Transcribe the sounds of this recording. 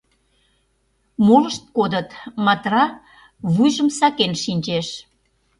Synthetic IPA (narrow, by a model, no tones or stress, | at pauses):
moləʃt̪̚kod̪ət̪mɑt̪rɑ | βujʒəmsɑkenʃinʲt͡ɕeʃ